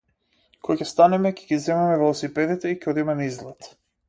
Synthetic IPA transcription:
kɔacʲɛst̪anɛmɛcɛɡizɛmɛmɛvɛlˠɔsipɛd̪it̪ɛicɛɔd̪imɛmizlˠɛt̪

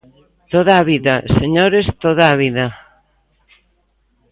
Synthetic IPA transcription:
t̪oðaːβiðaseɲoɾest̪oðaːβiða

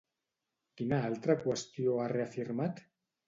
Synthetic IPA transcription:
kinaalt̪ɾakwəst̪ioareafiɾmat̪

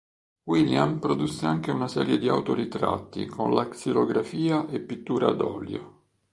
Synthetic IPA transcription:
wiljampɾod̪usːeaŋk̟eunasɛːɾjed̪ia̰wt̪oɾit̪ɾa̰t̪ːḭkʰonlaksiloɡɾafiːaʔepːit̪ːuːɾa̰d̪ɔːljo̰

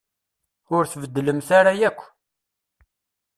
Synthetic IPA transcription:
ʊɾθvəd̪ːləmθaɾajækʷː

